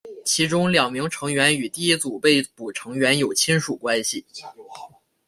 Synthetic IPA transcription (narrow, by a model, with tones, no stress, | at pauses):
t͡ɕʰi˧˥ʈ͡ʂʊ˥ŋljɑ˨˩ŋmi˧˥ŋʈ͡ʂʰɤ˧˥ŋɥɛ˧˥ny˨˩t̪i˥˩i˥t͡su˨˩pe˥˩ɪpu˨˩ʈ͡ʂʰɤ˧˥ŋɥɛ˧˥njo˨˩ʊt͡ɕʰi˥nʂu˨˩kwa˥nɕi˨˩